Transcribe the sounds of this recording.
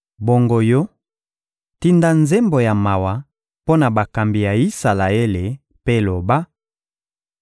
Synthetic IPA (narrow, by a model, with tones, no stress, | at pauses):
bo˨ŋɡo˨jo˦ | ti˦nda˦nze˦mbo˨ja˨ma˨wa˨ | po˦na˨ba˨ka˨mbi˨ja˨i˦sa˨la˨e˦le˨ | pe˦lo˨ba˦